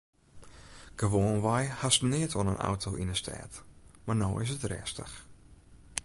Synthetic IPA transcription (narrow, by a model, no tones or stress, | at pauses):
ɡ̥əʋoːnʋajhastnɪətʰonənʔa̰wtʰoʔinəstʰɛ̰ːtmarnoːɪs̬ətrɛ̰ːstə̰x